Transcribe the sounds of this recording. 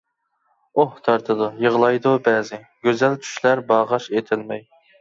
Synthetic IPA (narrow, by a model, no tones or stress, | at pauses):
oht̪ʰɑɾt̪ʰɨd̪ujəʁlˠɑjd̪ubɛːzɪ | ɡ̥ʲøzɛlt͡ʃʰy̥ʃlæɾbɑʁɑʃet̪ʰɪlmɛj